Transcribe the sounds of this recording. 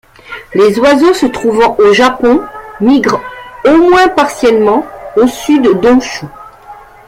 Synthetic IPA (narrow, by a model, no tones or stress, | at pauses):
lezwazosət̪χuvɑ̃ʔoʒapɔ̃miɡʁomwɛ̃paʁsjɛlmɑ̃osyd̪d̪ɔ̃ʃu